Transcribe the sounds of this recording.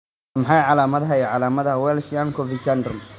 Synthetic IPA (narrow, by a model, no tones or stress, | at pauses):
mħɑjʕɑlaːmɐðɦɐɛʕɑlaːmɐðɐɐwɛːlsijaŋkʰɔvisand̪ɔm